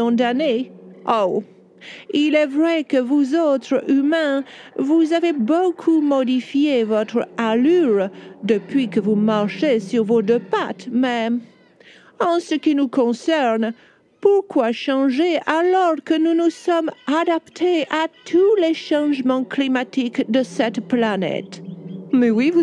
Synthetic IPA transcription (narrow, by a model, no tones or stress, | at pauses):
ɔ̃d̪aneʔo | ilɛvʁɛkəvuzot̪χymɛ̃vuzavebokʰumɔd̪ifjevɔt̪χəalyʁd̪əpɥikəvumaʁʃesyʁvod̪əpat̪mɛ | ɑ̃səkʲinukɔ̃sɛʁn | puʁkwaʃɑ̃ʒealɔʁkənunusɔmad̪apt̪ʰeʔat̪ʰulɛʃɑ̃ʒmɑ̃klimat̪ikd̪əsɛt̪planɛ̰t̪mɛwiv